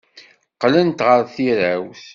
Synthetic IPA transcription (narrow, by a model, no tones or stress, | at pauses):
qlənt̪ʁəɾθiɾæwθ